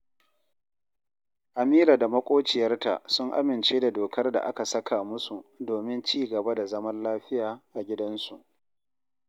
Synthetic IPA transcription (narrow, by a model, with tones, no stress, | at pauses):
ʔa˨miː˦ɾaː˨da˨mɐ˦kʷʼoː˦t͡ʃɪ˨jɐ˦rta̰˨sʊ˦ŋʔa̰˦mɪ˨nt͡ʃeː˦da˨doː˨kʰɐ˦rda̰˨ʔa˦ka˨sɐ˦kʰaː˨mʊ˦su˨doː˨mɪ˦nt͡ʃiː˦˨ɡɐ˨ba˦da˨zɐ˦mɐ˦nlaː˦ɸɪ˦jaː˨ʔa˨ɡʲɪ˦dɐ˦nsu˨ʔ